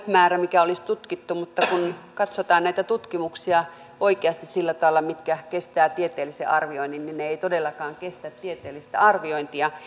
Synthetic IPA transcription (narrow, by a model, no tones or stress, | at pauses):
mæːræmikæolist̪ut̪kit̪ːumut̪ːɑkunkɑt̪sot̪ɑːnnæit̪æt̪ut̪kimuksiɑ | ʔoikeɑst̪issilːæt̪ɑʋelːɑmit̪kækest̪æːt̪iet̪eːlːˑisḛʔɑrʋioinːinninneeit̪odelːɑkɑːŋkest̪æt̪t̪iet̪eːlːˑist̪æ̰ɑrʋioint̪iɑ